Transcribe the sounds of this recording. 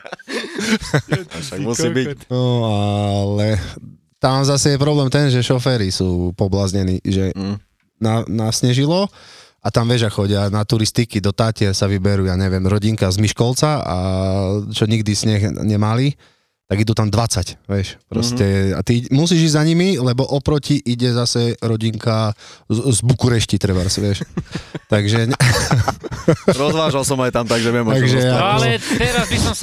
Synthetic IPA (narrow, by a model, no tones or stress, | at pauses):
muibinɔalɛ | t̪amzasɛjɛpɾɔblɛːmt̪ɛnʒɛʃɔfɛːɾisuːpɔblazɲɛniːʒɛ | nanasɲɛʒilɔ | ʔat̪amʋɪɛʒakxɔɟɪanat̪uɾist̪ikid̪ɔt̪aːcɪɛsaʋibɛɾuːjaɲɛʋɪɛmɾɔɟiŋkazmiʃkɔlt͡saa̰ | t͡ʃɔɲiɡ̚d̪isɲɛxɲɛmali | t̪aɡid̪ut̪amd̪ʋat͡sacʋɛʃpɾɔscɛa̰t̪imus̬iːʒiɟzaɲimilɛbɔʔɔpɾɔciʔiɟɛzasɛɾɔɟiŋka | zbukuɾɛʃcit̪ɾɛbaɾsiʋɛʃt̪aɡʒɛɛ | ɾɔzʋaːʒalsɔmajt̪amt̪aɡʒɛʋɪɛmaɡʒɛakɔɛɾazbisɔm